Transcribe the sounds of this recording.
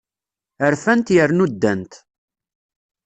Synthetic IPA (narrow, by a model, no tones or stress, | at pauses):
əɾfænt̪jəɾnud̪ːænt̪